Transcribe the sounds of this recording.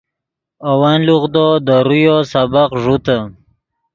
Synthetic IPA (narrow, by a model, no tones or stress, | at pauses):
awanluɣd̪od̪əɾujosabaqʐut̪a